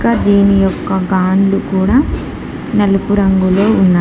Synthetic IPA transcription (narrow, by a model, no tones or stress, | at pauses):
kaːd̪eːnijɔkːɐɡaːnlukuːɽaː | nɐlupuɾɐŋɡulo̞ːunːaː